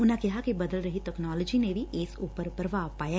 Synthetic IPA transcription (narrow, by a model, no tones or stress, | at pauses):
ʊnãkɪɦakibɐd̪əlɾɐɦit̪ɛknaːlɔd͡ʒinebʱiʔɪsuːpəɾpəɾʋaːpaːja